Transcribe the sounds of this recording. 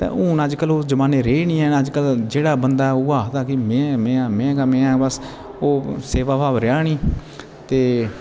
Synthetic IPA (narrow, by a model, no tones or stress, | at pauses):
t̪ɛ̰̃ːũːnaːd͡ʒkəloːd͡ʒəmaːneːɾeːɳiːɛ̃ːəd͡ʒkəld͡ʒeːɽaːbənd̪aːʊɡaːt̪aːkɪmɛ̃ːmɛ̃ːmɛ̃ːɡaːmɛ̃ːãːbəs | oːseːʋaːbaːʋɾɪjaːɳiː | t̪eː